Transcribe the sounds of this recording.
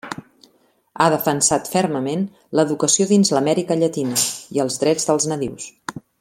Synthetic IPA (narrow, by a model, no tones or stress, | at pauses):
aðəfənsat̪fɛrməmen | ləðukəsioðinzləmɛɾikəʎət̪inəiəlˠzðɾɛd͡zðəlˠznəðiws